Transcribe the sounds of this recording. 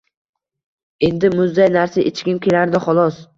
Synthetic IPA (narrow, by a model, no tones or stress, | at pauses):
e̞nd̪ɪmʊzd̪ajnaɾsɪʔɪt͡ʃʰkʲɪmkʲʰelaɾd̪ɪχɒlˠɒs